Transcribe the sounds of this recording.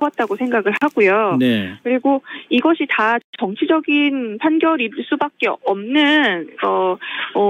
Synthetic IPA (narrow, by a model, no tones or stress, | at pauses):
at̚t͈aɡosʰe̞ŋɡaɡɯɭaɡujonekɯɾiɡoiɡʌɕʰitat͡ɕʌŋt͡ɕʰid͡ʑʌɡinpʰanɡjʌɾiɭs͈ubak̚k͈e̞ʌmnɯnʌʌ